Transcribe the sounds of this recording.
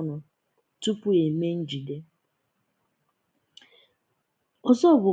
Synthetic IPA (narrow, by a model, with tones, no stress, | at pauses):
nʊ˨ | tu˦pʊ˦e˨me˦n̩˦d͡ʒi˨de˦ | ɔ˦zɔ˦˨bʊ˨